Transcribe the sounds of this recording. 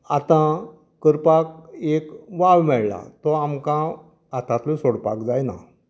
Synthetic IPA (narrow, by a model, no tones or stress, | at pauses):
at̪ã | kːəɾpak̚ekʋawmɛɭla̰t̪ɔamkã | at̪ãt̪losoɽpa̰kd͡zajna̰